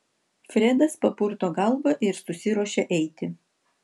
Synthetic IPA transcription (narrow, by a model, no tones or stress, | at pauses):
fʲɾʲɛd̪ɐspɐpʊɾt̪oːɡɐlˠbɐʔɪɾsʊsʲɪɾuɔʃʲeʔɛɪt̪ʲɪ